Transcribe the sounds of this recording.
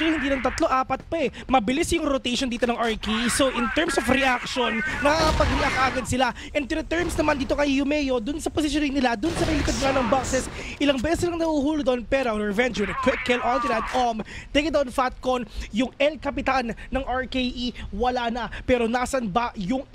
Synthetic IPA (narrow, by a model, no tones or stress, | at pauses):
olohɪnd̪iːnɐnt̪ɐt̪loʔaːpɐt̪̚pɐmɐbɪlisjʊŋɾot̪ejʃond̪iːt̪onɐŋʔɐɹkeʔisoʔɪnt̪ɛɹmsofɾɛʔakʃonmɐkakɐpɐɡhɪlɐkaːɡɐd̪̚sɪlaʔɛn̚p̪ɪɾɐt̪ɛɹmsnɐmand̪iːt̪okɐjjʊmɛːjo̞d̪ʊnsɐpos̬ɪʃ̬jonɪŋnɪlad̪ʊnsɐmɐjlɪkod̪̚ŋɐnɐŋbɐksɛsʔɪlɐŋbɛːsɛslɐŋnɐhuːhuːlʊd̪oʔonpɛɾoɐŋɹɛvɛnt͡ʃwnkɛkːɛlʔɔnt̪ɪd̪ɐt̪̚ʔomt̪ejk̚d̪ɐonfat̪̚konjʊŋɛlkɐpɪt̪anːɐŋʔɐɹkejʔiwɐlanɐpɛːɾo̞naːsɐnbajʊŋ